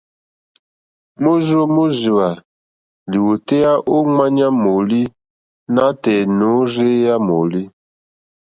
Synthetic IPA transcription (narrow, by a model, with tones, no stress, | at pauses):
mo˦zo˦mo˦zi˨wa˨ | li˨wo˨tɛ˦a˦ʔo˦ŋa˦ɲa˦mo˨li˦ | na˦tɛ˨no˨˦ze˦ja˦mo˨li˦